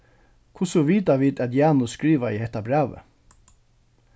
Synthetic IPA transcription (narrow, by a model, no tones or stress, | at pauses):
kʰʊsɔʋiːd̪ɑʋiːd̪ɛd̪jæːnʊskɹiːʋɑiːhɛt̪ɑbɾæːʋə̰